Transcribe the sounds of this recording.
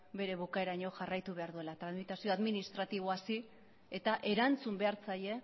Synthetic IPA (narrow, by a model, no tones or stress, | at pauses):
be̞ɾe̞β̞ukae̞ɾaɲo̞ʝarajt̪uβe̞aɾðue̞lat̪ɾanmit̪asio̞aðminist̪ɾat̪iβ̞oasi | et̪aʔe̞ɾant͡sumbe̞aɾt͡saʎe̞